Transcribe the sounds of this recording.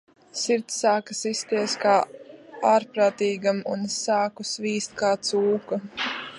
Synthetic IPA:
siɾt̪saːkɐsist̪iɛskaːaːɾpɾaːt̪iːɡamunsaːkusviːst̪̚kaːt̪suːku

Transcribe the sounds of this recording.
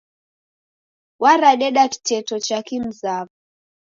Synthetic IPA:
waɾaɗɛɗaki̥tɛtɔt͡ʃakim̩zavu

